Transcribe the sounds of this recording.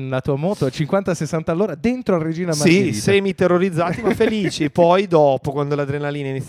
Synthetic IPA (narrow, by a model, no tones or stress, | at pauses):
nlat̪uːamɔːt̪oat͡ʃiŋkwant̪asesːant̪alːoːɾad̪ent̪ɾoared͡ʒiːnamaiseːmit̪erːoɾid̪zːaːt̪imafːeliːt͡ʃipɔjd̪ɔːpokwand̪olad̪ɾenaliːnainit̪ː